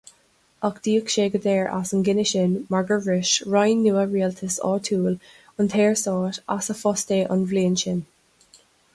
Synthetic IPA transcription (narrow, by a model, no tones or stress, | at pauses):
əkd̪̥iːəkʃeːɡəd̪ɛːɹʔa̰sənɡɪnɪʃɪnmaɹɡəɹɹɪʃɹajnːuːəɹiːəltʰəsɔ̰ːtʰuːl | ʊntʰɛːɹsɔːtasəfɔsteːʔə̰nvliːnʃɪn